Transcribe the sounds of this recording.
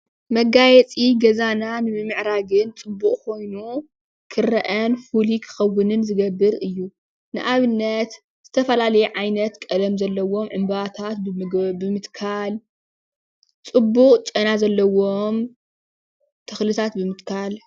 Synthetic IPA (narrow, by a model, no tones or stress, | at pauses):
mɐɡajɛt͡sʼiɡɐzananɨmɨmːɨʕɾaɡɨnt͡sʼɨbːuχʼkʰo̞jnu | kʰɨɾɐʔɐnfulikʰɨ̥xɐwːʊnɨnzɨɡɐbːɨɾɨjːu | nɨʔaβɨnːɐt̪ | z̥ɨt̪ʰɐfɐlalɐjɛʕajnɐt̪kʼɐlɐmzɐlːɐwo̞mʕɨmbβat̪ʰat̪̚bbɨmɨt̪kʰal | t͡sʼɨbːuqʼt͡ʃʼɐnazɐlːɐwom | t̪ʰɐxlɨt̪ʰat̪bɨmɨt̪kʰal